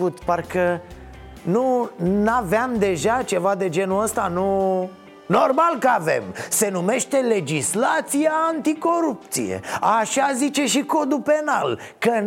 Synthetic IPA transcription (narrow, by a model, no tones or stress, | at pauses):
ut̪parkə | nunaveamd̪e̞ʒat͡ʃe̞vad̪e̞d͡ʒe̞nuəst̪anu | no̞rmalkəave̞̰mse̞nume̞ʃt̪e̞le̞d͡ʒislat̪sijaːnt̪iko̞ɾup̚t̪sḭje̞̰aʃazit͡ʃe̞ʃiko̞d̪upe̞na̰lkə